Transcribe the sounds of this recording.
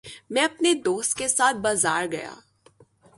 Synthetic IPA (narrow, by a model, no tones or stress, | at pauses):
mɛ̃ɐpned̪oːst̪̚kesaːt̪̚ʰbaːzaːɾɡɐ̰ja̰ː